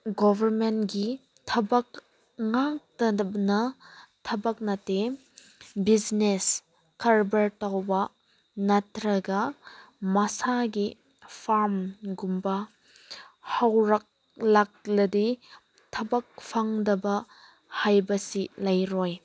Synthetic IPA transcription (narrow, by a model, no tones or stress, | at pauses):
ɡɔbʱɐɾmentɡi | tʰɐbɐk | ŋak̚tɐbnɐtʰɐbɐk̚nɐte | bid͡ʒnes | kʰɐɾbɐɾtawbɐ | nɐtɾɐɡɐmɐsaɡi | pʰaɾmɡumbɐ | hawɾak̚ | lak̚lɐdi | tʰɐbɐk̚pʰaŋdɐbɐ | hajbɐsilɐjɾɔj